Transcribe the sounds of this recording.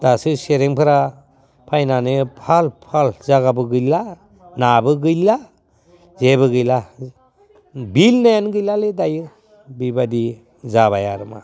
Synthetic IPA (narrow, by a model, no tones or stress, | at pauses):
d̥asɯseɾeŋpʰɯɾa | pʰajnanɯpʰalpʰalzaɡabɯɡɯjla | nabɯɡɯjla | zebɯɡɯjla | bilnajanɡɯjlaledajɯ | bibadi | zaβajaɾɯma̰